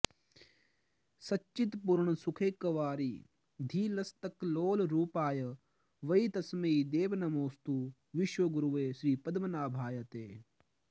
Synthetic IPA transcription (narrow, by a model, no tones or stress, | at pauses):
sɐtːt͡ʃːit̪puɾɳɐsukʰeːkːɐʋaːɾiː | d̪ʱiːlɐst̪ɐkloːlɾuːpaːjɐ | ʋɐit̪ɐsmɐid̪eːʋnɐmoːst̪u | ʋɪʃʋɐɡuɾuʋeːʃɾiːpɐd̪mɐnaːbʱaːjɐt̪eː